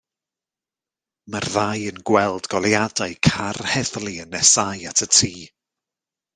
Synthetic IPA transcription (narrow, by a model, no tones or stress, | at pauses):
marðajənɡwɛlˠdɡɔlˠjadaɨkʰarhɛðlˠiənɛsajatʰətʰiː